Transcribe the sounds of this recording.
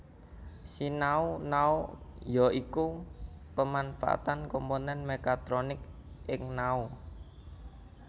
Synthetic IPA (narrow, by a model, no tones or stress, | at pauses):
sinaunaojɔiku | pəmanfa̰ʔa̰t̪ankomponɛnmekat̪ɾonɪk | ʔɪŋnau